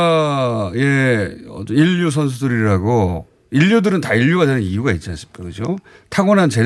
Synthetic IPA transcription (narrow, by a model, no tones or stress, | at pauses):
je̞ʌ̰ʌiʎːus̬ʰʌns̬ʰudɯɾiɾaɡo | iʎjudɯɾɯntaiʎːuɡadenɯnijuɡait̚t͡ɕ͈ans͈ɯ̥ɭk͈akɯd͡ʑotʰaɡʌnant͡ɕe̞